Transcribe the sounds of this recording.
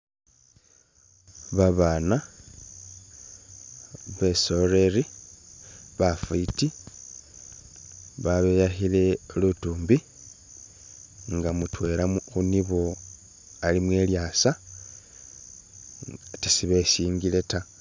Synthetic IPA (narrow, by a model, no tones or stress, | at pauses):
βaβana | βe̞so̞ɾeɾi | βafuiti | βaβejaxile̞lutuːmbi | ŋɡamutwe̞ɾaxuniβo̞ | alimwe̞ljasa | tisiβe̞siːŋɡile̞ta